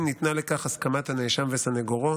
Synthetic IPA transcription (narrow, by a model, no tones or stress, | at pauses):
nit̪nale̞kaχaskamat̪haneʃamvesaneɡoʁo